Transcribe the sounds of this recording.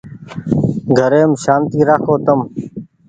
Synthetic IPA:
ɡʱəɾeːmʃaːnt̪iːɾaːkʰoːt̪əm

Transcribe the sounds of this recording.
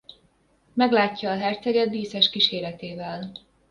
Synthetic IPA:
mɛɡlaːcːɒːɦɛrt̪sɛɡɛd̪biːsɛʃkiʃeːɾɛt̪eːvɛl

